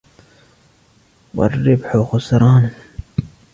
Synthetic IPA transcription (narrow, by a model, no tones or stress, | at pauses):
wɐ̰rːɪbħoxʊsɾɑːn